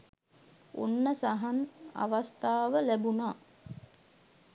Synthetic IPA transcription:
o̰nːəsaɦana̰ʋast̪aːʋəlæbunaː

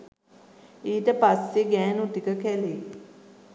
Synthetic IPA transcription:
iːʈəpasːeɡɛːnut̪ikəkɛle

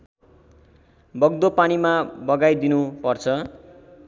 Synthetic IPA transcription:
bʌɡd̪opanimabʌɡajd̪inupʌrt͡sʰʌ

